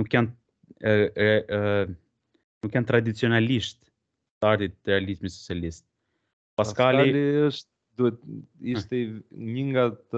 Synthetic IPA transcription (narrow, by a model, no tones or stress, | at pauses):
nukːjan | nukːjant̪ɾad̪it͡siɔnaliʃt̪ | t̪əaɾt̪it̪̚ɾɛalizmisɔ̥t͡sialist̪̚ | passkaliiəʃt̪̚ | d̪uɛt̪it̪ɛɲəŋɡat̪